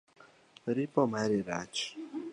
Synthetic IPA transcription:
ɾipɔmaɾiɾaːt͡ʃi̥

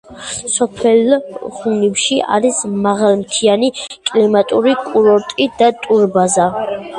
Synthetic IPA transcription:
sɔpʰɛlχunipʃia̰ɾismaʁalˠmt̪ʰianikʼlimat̪ʼuɾikʼuɾɔɾt̪ʼid̪at̪ʼuɾbaza

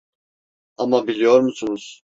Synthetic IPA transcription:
amabilʲijoɾmusunuz̥

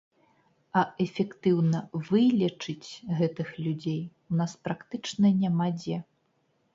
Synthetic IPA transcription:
ɐɛfʲɛkt̪ɨwnɐvɨlʲɛt͡ʂɨt͡sʲɣɛt̪ɨxlʲud͡zʲej | unaspɾakt̪ɨt͡ʂnɐnʲamad͡zʲɛ

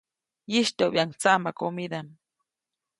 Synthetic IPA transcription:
jiʃt̪oβiaŋt͡saʔmakomid̪an

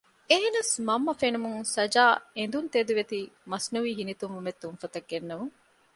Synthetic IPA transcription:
eɦenɐsmɐmːɐfenumuŋsɐd͡ʒaːend̪unt̪eːd̪uʋet̪iːmɐsnuʋiːɦinit̪umʋumet̪ːunfɐt̪ɐɡːenːɐmuŋ

